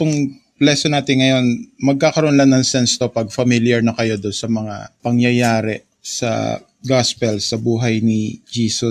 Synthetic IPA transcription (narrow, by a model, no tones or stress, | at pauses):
t̪ʊŋ | plɛsonaːt̪ɪnŋɐjo̞nmɐɡ̚kaːkɐɾoʔonlannɐŋsɛnst̪o̞pɐɡ̚fɐmiljɐɹnɐkɐjo̞d̪onsɐmɐŋa̰pɐŋjɐjaːɾɛ | sɐ̰ | ɡaspɛlsɐbuːɦɐjnɪd͡ʒiːso